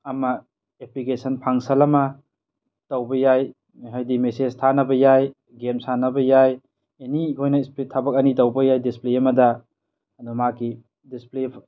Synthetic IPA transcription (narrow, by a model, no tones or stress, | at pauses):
ɐmɐ | eplikesʰɐnpʰaŋsɐlɐmɐ | tɐwbɐjaj | ɦajdimesed͡ʒtʰanɐbɐjaj | ɡemsanɐbɐjaj | enikʰojnɐispletʰabɐk̚ɐnitɐwbɐjajdispleɐmɐdɐ | ɐdumakːi | disple